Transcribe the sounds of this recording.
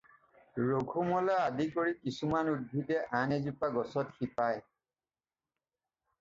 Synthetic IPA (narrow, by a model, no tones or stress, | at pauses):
ɹoɡʱumɔlaadikoɹikisumanud̚bʱitɛʔanezupaɡɔsɔtxipaj